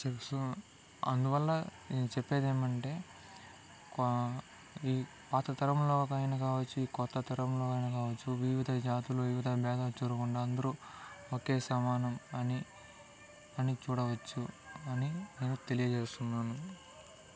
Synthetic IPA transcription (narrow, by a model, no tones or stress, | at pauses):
t͡ʃesu | ɐ̰nd̪uʋɐlːɐ | t͡ʃɛpːe̞ːd̪e̞ːmɐɳʈe̞ː | k | iː | paːt̪ɐt̪ɐɾɐmloːkɐjnɐkaːʋɐt͡ʃːuiːkɔt̪ːɐt̪ɐɾɐmlo̞ːkɐjnɐkaːʋɐt͡ʃːuʋiʋid̪ʱɐd͡ʒaːt̪uluʋiʋid̪ʱɐbɛːd̪at͡ʃuːɾukuɳɖaːɐnd̪ɐɾuoke̞ːsɐmaːnɐmɐni | ɐnit͡ʃuːɽɐʋɐt͡ʃːuɐnine̞ːnut̪e̞lijɐt͡ʃeːst̪unːaːnu